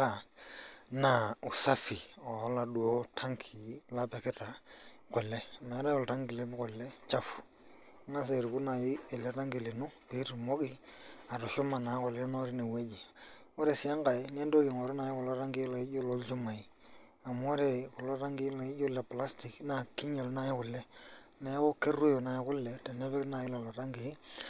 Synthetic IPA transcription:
ɾa˨ | na˨ʊ˨sa˦fi˨ɔ˨˦la˨du˨o˦tʰa˦ŋkʰi˨la˦pɛ˨kɪ˦ta˨kʷɛ˨lɛ˦ma˨˦ɾa˦ɔ˨lta˦ŋɡɪ˨le˦bkɛ˨lɛ˦t͡ʃa˦fu̥˨˦ | ŋa˦s̬e˨ɾu˨ku˦na˨jɪ˦ɛ˨lɛ˦ta˦ŋɡi˨lɪ˨nʊ˦pi˦ɾmo˦ɡɪ˦a˨ɾʊ˨ʃʊ˦ma˨na˨˦kʷwɛ˨lɛ˦na˦ɾɪ˦ne˨we˦d͡ʒi˨ | ɔ˦ɾe˨sɪ˨a˦ŋɡa˨ɪ˦n˦ɛ˦ndo˦kɪ˨ŋɔ˨ɾʊ˦na˨jɪ˦kʊ˨lɔ˦ɾa˦ŋɡɪ˦la˨ɪ˦d͡ʒo˦lo˦lt͡ʃʊ˦ma˨ɪ˦ | a˨m˦ɔ˦ɾɛ˨kʊ˨lɔ˦ɾa˦ŋɡɪ˦la˨ɪ˦d͡ʒʊ˦lɛ˨pla˦stɪ˨kna˨kɪ˦ɲe˨lna˨˦jɪ˦kʊ˨lːɛ˦ | nɛ˦kʊ˦ke˦rʊ˦jo˨na˨jɪ˦kʊ˦lːɛ˨tɛ˨nɛ˦bɛ˦kna˨jɪ˦la˨lɔ˨ɾa˦ŋɡɪ˨ɪ˦

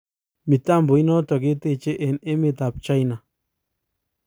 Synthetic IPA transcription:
mi˨t̪a˦mbo˨i˦no˦t̪o˨ɡe˦t̪e˦˧t͡ʃe˦ʔe˨ne˦me˧t̪a˨p̚t͡ʃa˦ijna˨

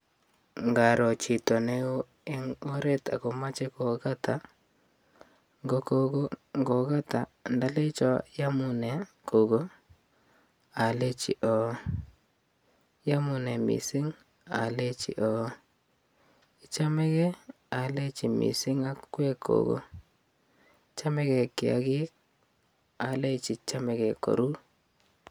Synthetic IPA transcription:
ŋɡa˨ɾɔ˨t͡ʃi˨to˨ne˦o˦ | e˦ŋo˦ɾe˦ta̰˨ko˨ma˦t͡ʃe˦ko˨ka˦tʰa˨ | ŋɡo˦ko˦ɡo˦ŋɡo˨ka˦ta˨nda˦le˦t͡ʃɔ˦ja˦mʊ˦nɛ˨ | ko˨ɡo˦ | a˨le˦t͡ʃḭ˨ʔɔ˨ | ja˦mʊ˦nɛ˨mḭ˨sɪ˦ŋ | a̰˨le˦t͡ʃḭ˨ʔɔ˨ | ɪ˦t͡ʃa˦mɛ˦ɣɛ˦ | a˨le˦t͡ʃi˨mḭ˨sɪ˦ŋa˦kwɛ˦kʰo̰˨ɡo̰˦ | t͡ʃa˦mɛ˦kɛ˨kɪ˨a̰˨ɡɪ˦k̚ | a˨le˦t͡ʃi˨t͡ʃa˦mɛ˨ɡɛ˨ko̰˨ɾu˦

